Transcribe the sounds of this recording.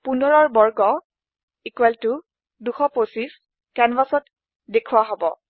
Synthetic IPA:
pundʱɔɹɔɹbɔɹɡɔ | ikuwɛltʊ | duxɔposis | kɛnwasɔt | dekʰuwaɦobɔ

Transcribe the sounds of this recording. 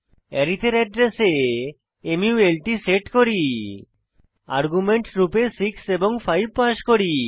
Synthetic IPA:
ɛɾit̪ʰeɾɛɖɾese | emjuwelʈiseʈkoɾi | a̰ɾɡumeɳʈɾupesikseboŋpʰajb̚paʃkoɾi

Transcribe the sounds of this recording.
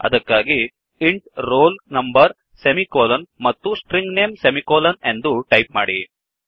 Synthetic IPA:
ɐ̰d̪ɐkːaːɡi | iɳʈɾoːlnɐmbɐɾ | semikoːlɐnmɐt̪ːusʈɾiŋɡneːmsemikoːlɐne̞nd̪uʈɐjp̚maːɽi

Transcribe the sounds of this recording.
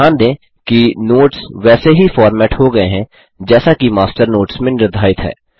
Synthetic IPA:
aːnd̪ẽː | kinoːʈsʋɛːseɦifɔːɾmɛːʈhoɡɐeɦɛ̃ | d͡ʒɛːsakimaːsʈəɾnoːʈsmẽnɪɾd̪ʱaːɪt̪ɦɛ̰ː

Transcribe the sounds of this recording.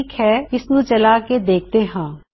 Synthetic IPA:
kɦɛɪsnũt͡ʃɐlaːked̪eːk̚ʰt̪eɦãː

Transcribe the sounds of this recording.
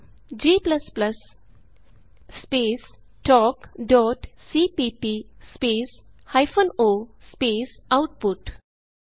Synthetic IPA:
d͡ʒiːplɐsplɐs | speːs | ʈɔːkɖɔːʈsiːpiːpispeːshaɪfõnoːspeːsaʊʈ̚pʊʈ

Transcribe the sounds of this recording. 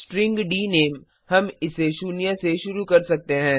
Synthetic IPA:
sʈɾɪ̃ŋɡɖiːneːm | hɐmɪseʃuːnijãseʃʊɾukɐɾsɐk̚t̪eɦɛ̃ː

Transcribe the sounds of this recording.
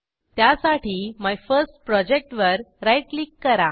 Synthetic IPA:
t̪jasaʈʰiːmajfəɾsʈ̚pɾɔd͡ʑek̚ʈʋəɾɾajʈlikːəɾa

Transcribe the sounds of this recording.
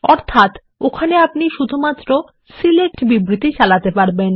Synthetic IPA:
ɔɾt̪ʰat̪ | okʰaneapniʃud̪ʱumat̪ːɾo | silek̚ʈbibɾit̪it͡ɕalat̪epaɾben

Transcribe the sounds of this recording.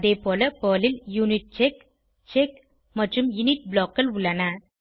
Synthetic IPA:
ðeːpoːlɐpoːlɪljunɪʈ̚t͡ʃek | t͡ʃek | mɐʈrɯmjʊnɪʈ̚bloːkːɐlʊɭːɐnɐ

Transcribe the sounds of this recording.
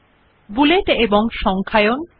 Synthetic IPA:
buleʈeboŋʃɔŋkʰajon

